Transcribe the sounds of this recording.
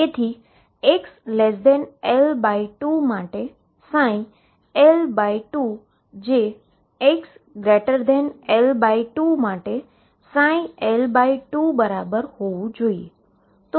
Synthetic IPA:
et̪ʰi | eksleːs̬d̪ɛːnɛlbaːiʈumaːʈe | sãːĩ | ɛlbaːiʈuː | d͡ʑeː | eksɡɾeːʈəɾd̪ɛːnelbaːiʈumaːʈe | sãːĩɛlbaːiʈuːbɐɾaːbəɾhoʋũd͡ʑʱoːiḛ | t̪o

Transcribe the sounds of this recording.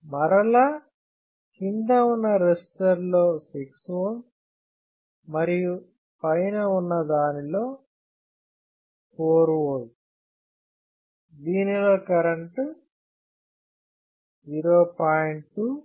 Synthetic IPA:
mɐɾɐlɐ | kind̪ɐunːɐɾesʈɐɾloːsiksʋɐ | mɐɾiju | pɐjnɐunːɐd̪aːnilo̞ː | koːɾuʋol | d̪iːnilo̞ːkɐɾɐɳʈ | d͡ʒiːɾoːpaːjiɳu

